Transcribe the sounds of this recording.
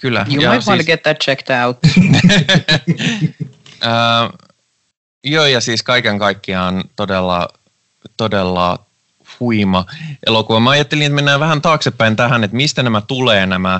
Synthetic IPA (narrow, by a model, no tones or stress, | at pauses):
kylːæ̰jumjɑawɑ̃ɡɛt̪̚ðæt̚t͡ʃɛktaʊt̪̚ | əː | joːjɑsiːskɑikeŋkɑikːiɑːnt̪odelːɑ̰ | t̪odelːɑ̰ | huimɑʔḛlokuʋɑmɑɑjɑt̪ːelinet̪menːæːʋæhænt̪ɑːksepːæint̪æɦænet̪mist̪ænæmæt̪uleːnæmæ